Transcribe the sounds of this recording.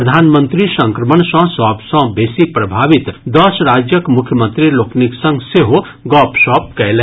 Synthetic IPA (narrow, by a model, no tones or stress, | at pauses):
ɾəd̪ʱaːnmə̃nt̪ɾisə̃ŋkɾəməɳsə̃ɦswãːbsɐ̃beːsipɾɐbʱaːʋɪt̪d̪ɔsɾaːd͡ʒjəkmʊkʰjəmə̃nt̪ɾiloːkniksə̃ŋɡseɦo | ɡɔːpʃɔːp̚kɛlɛ